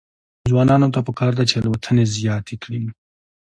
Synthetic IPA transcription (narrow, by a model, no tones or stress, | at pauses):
zwɑnɑnot̪apəkɑɾd̪at͡ʃelwat̪ʰənezjɑt̪ʰekɽin